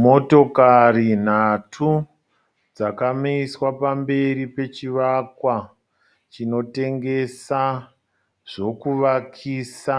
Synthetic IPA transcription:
mo̞to̞karin̤atʰu | d͡zakamiiswapambe̞ɾipe̞t͡ʃiʋakwa | t͡ʃino̞te̞ŋɡe̞sa | ʐ̥o̞kuʋakʰiːsa

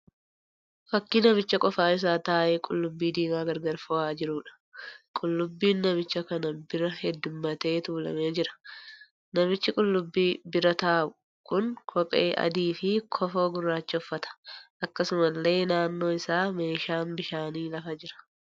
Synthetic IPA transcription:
fɐkːɪnɐmɪt͡ʃːɐkʼɔfaːɪs̬aːt̪aːʔeːkʼʊlːʊbːiːd̪iːmaːɡɐɾɡɐɾfɔaːd͡ʒɪɾuːᶑɐ̥ | kʼʊlːʊbːiːnːɐmɪt͡ʃːɐkɐnɐbɪɾɐhɛd̪ːʊmːɐt̪e̞ːt̪uːlɐ̰me̞ːd͡ʒɪɾɐ̥ | nɐmɪt͡ʃːɪkʼʊlːʊbːiːbɪɾɐt̪aːbʊ | kʊŋkʰɔpʼḛːʔɐ̰d̪iːfɪkʰɔfo̞ːɡʊrːaːt͡ʃːɐʊfːɐt̪ɐ̥ʔɐkːɐsʊmɐlːe̞ːnaːnːo̞ːɪsaːme̞ːʃaːnbɪʃaːniːlɐfɐd͡ʒɪɾɐ̥

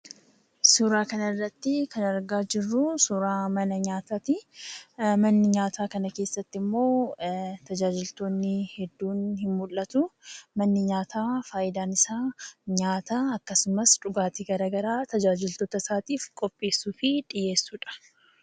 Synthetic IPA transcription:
suɾaːkɐnɐrːɐt̪ːɪkɐnɐɾɡaːd͡ʒɪrːʊsuɾaːmɐnɐɲaːt̪aːt̪ɪ | mɐnːɪɲaːt̪aːkɐnɐke̞ːsːɐt̪ːɪmːo̞ːt̪ɐd͡ʒaːd͡ʒɪlt̪oːnːɪhɛd̪ːuːnhɪmmʊlːɐt̪ʊmɐnːɪɲaːt̪aːfaːʔɪd̪aːnɪsaːɲaːt̪aːɐkːɐsʊmɐsᶑʊɡaːt̪iɡɐɾaːɡɐɾaːt̪ɐd͡ʒaːd͡ʒɪlt̪o̞ːt̪ɐsaːt̪iːfkʼɔpʼːe̞ːsːuːfɪᶑʼɪje̞ːsːuːᶑɐ̥

